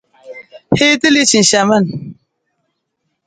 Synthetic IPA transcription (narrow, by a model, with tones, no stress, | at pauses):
he˦ti˦li˦t͡ʃi˨n˨ʃa˨ma˦˨n